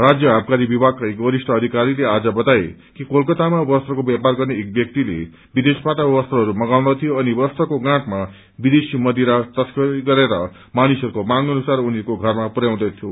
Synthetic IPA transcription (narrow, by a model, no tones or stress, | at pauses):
rad͡zjʌɦab̚kaɾibibʱaɡ̚kaekbʌɾisʈʰʌʌd̪ʱikaɾilead͡zʌbʌt̪ae | kikolkʌt̪amabʌst̪rʌkobjaparɡʌrneːk̚bjʌk̚t̪ilḛ | bid̪espat̪abʌst̪ʌɦʌɾumʌɡaw̃d̪ʌt̪ʰijoʌnibʌst̪ʌkoɡãʈma | bid̪esimʌd̪iɾat̪ʌskʌɡʌɾeɾʌ | manisʌɾukomãŋɡʌnusaruniekoɡʱʌrmapuɾjaw̃d̪ʌt̪ʰjo